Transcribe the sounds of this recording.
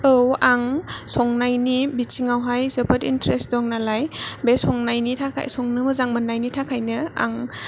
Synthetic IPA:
ɯwaŋsɔŋnajnibit͡ʃiŋawɦajzəpʰɐtintɾesdɔŋnalajbesɔŋnajnitʰakʰa̰jsɔŋnɯmɯzaŋmɐnːajnitʰakʰajnɯa̰ŋ

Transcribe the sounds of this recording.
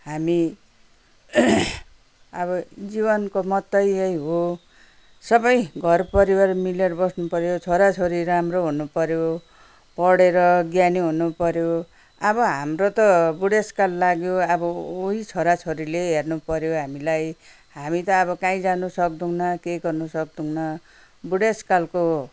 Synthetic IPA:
ɦami | ʌβʌd͡zibʌnkomʌt̪ːʌjʌjɦo | sʌbʌjɡʱʌrpʌɾiwarmileɾʌbʌsnupʌɾjot͡sʰoɾat͡sʰoɾiɾamroɦunupʌɾjo | pʌɽeɾʌɡjaniɦunupʌɾjo | ʌbʌɦamrot̪ʌbuɽeskalːaɡjoʌbʌoɦit͡sʰoɾat͡sʰoɾileɦernupʌɾjoɦamilaj | hamit̪ʌːβʌkãĩd͡zanusʌk̚d̪uwnʌkeɡʌrnusʌkd̪uwnʌ | buɽeskalko

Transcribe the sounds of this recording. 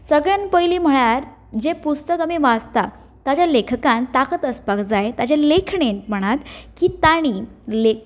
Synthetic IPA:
səɡɭanpəjliːm̤əɭ̃aɾ | d͡ʑepust̪əkamiʋad͡zt̪a | t̪at͡ɕjalekʰəkant̪akət̪əspakd͡zajt̪at͡ɕelekʰɳent̪m̤əɽ̃at̪kiːt̪aɽ̃iːle

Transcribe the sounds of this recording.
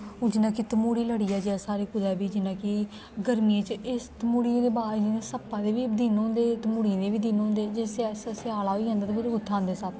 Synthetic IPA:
od͡ʒɪnãːkit̪əmuːɽiːləɽiːɛːd͡ʒeɛːsaːɾeːkʊd̪ɛːbiːd͡ʒɪnãːkɪ | ɡəɾmiːãːt͡ʃɪst̪əmuːɽiãːd̪eːbaːiẽːsəpːãːd̪eːʋiːd̪iːnɦõːnd̪eːt̪əmuːɽiãːd̪eːʋiːd̪iːnõːnd̪eːd͡ʒesɛssɪaːlaːɦoiːãnd̪at̪ːkɪɾʊt̪ʰːãːnd̪eːsaːp

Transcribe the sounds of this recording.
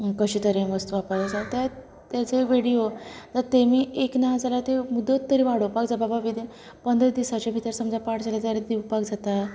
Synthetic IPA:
kəɕiːt̪əɾeʋəst̪uapajed͡zat̪ja | t̪jat͡seʋiɽijod͡zəɾt̪emiːeknad͡zalat̪emud̪ːət̪ːəɾiːʋaɽ̤opakd͡zababaʋid̪i | pənd̪ɾəd̪isat͡ɕabʱit̪əɾsəmd͡zapaʈd͡zalat̪aɾed̪iʋpakd͡zʱat̪a

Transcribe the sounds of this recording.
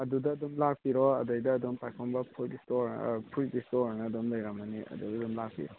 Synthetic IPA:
ɐdudɐːdumlak̚pʰiɾɔɐ̰dɐjdɐːdɔmpajkʰɔmbɐpʰutistoɾpʰuɾdistoɾnɐːdɔmlɐjɾamɐniɐ̰dudɐdumlak̚pʰḭɾɔ

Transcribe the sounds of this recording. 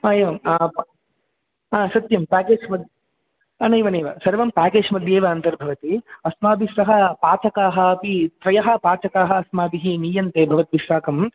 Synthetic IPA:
aːeːʋɐmaː | aːsɐt̪jɐmpaːkeːd͡ʒmɐd̪jɐ | ɐnɐjʋɐnɐjʋɐsɐɾɐʋɐmpaːkeːd͡ʒmɐd̪jeːʋɐɐnt̪ɐɾbʱɐʋɐt̪iɐsmaːbisɐɦɐpaːt͡ʃɐkaːɦɐɐpit̪ɾɐjɐɦɐpaːt͡ʃɐkaːɦɐɐsmaːbiɦiniːjɐnt̪eːbʱɐʋɐt̪ʋiʃaːkɐm

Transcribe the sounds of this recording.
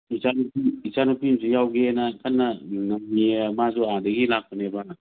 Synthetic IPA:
isanupiisanupimsijawɡenɐkʰanːɐnɐmːiemazuadɐɡilak̚pɐneban

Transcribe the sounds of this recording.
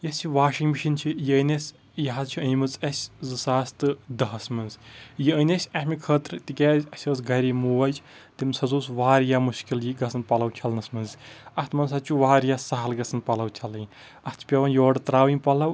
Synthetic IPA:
jɐsʲt͡ʃʰiʋaːʃiŋɡbiʃint͡ʃʰijənɐsʲ | jɐɦazt͡ʃʰiɐnmɨzɐsʲzɨsaːst̪ɨd̪ɐɦɐsmɐnzjiənʲɐsʲɐmʲikʰəːt̪ɾt̪ikʲaːzʲɐsʲəːsɡɐɾiːmuːʋɐt͡ʃt̪imsɐzuːsʋaːɾjaːmuʃkiljiɡɐsɐnpɐlɐwt͡ʃʰɐlnɐsmɐnzɐst̪mɐnsɐt͡ʃʰuʋaːɾjaːsaɦɐlɡɐsɐnpɐlɐwt͡ʃʰɐlɨj | ɐst̪ʰpʲɐʋɐnjoːɖt̪ɾaːʋinpɐlɐw

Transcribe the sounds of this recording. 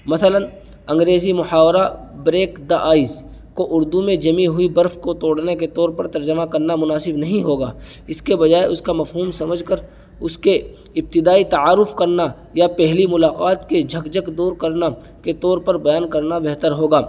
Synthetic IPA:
mɐsələn | ɐ̃ŋɡɾeːzimʊhaːwɾa | bɾeːkd̪aʔaːiz | koʔʊɾd̪umẽd͡ʒɐmĩɦʊibɐɾfkot̪oːɽneket̪ɔːɾpɐɾt̪ɐɾd͡ʒəmakɐɾnamʊnaːsɪbnɐɦĩɦoːɡaː | ɪskebɐd͡ʒaːeʔʊskamɐfɦuːmsɐməd͡ʒʱkəɾ | ʊske | ɪb̚t̪ɪd̪aːit̪ɐaːɾʊfkɐɾna | japɛɦlimʊlaːqaːt̪ked͡ʒʱɐkd͡ʒəkd̪oːɾkɐɾna | ket̪ɔːɾpɐɾbɐjaːnkɐɾnabɛɦt̪əɾɦoːɡaː

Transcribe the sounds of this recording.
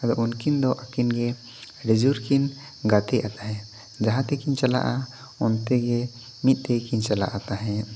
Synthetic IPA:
ad̪ɔʔunkind̪ɔʔakinɡɛ | ɖɛd͡ʒuɾkin | ɡat̪ɛʔat̪aɦɛ̃ | d͡ʒaɦãt̪ɛkiɲt͡ʃala̰ʔa | ɔnt̪ɛɡɛ | mit̪̚ˀt̪ɛkiɲt͡ʃala̰ʔat̪aɦɛ̃

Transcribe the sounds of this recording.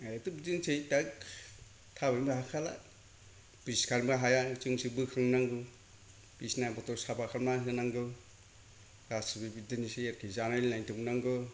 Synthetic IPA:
aatubidɯnsʰejtak | tʰabajmbaɦakʰala̰ | pɾiskʰaɾmaɦajat͡ʃɯŋsibɯkʰɯŋnaŋɡɯ | pisnabɔtɔsabakʰaɾmasɯnaŋɡɯ | ɾastibibidɯnisejaɾkʰijzanalnajntuŋnaŋɡɯ

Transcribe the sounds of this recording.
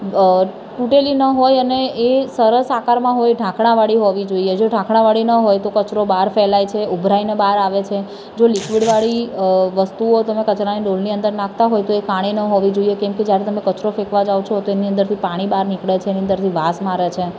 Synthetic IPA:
ʈuʈelinəɦojəneesəɾəsakaɾmãɦojɖʱãkʰɽ̃ãʋaɽiɦoʋid͡ʒoied͡ʒoɖʱãkʰɽ̃ãʋaɽinəɦojt̪okət͡ʃɾobaɾfɛlajt͡ʃʰeʔubʱɾajnebaɾaʋet͡ʃʰe | d͡ʒolikʋiɽʋaɭiʋəst̪uot̪əmẽkət͡ʃɾaniɖolniənd̪əɾnãkʰt̪aɦojt̪oekaɽ̃inəɦoʋid͡ʒoijekɛ̃mked͡ʒjaɾet̪əmẽkət͡ʃɾofekʋad͡ʒaʋt͡ʃʰot̪oeniənd̪əɾt̪ʰipaɽ̃ibaɾnikɭet͡ʃʰeːniə̃nd̪əɾt̪ʰiʋasmaɾet͡ʃʰe

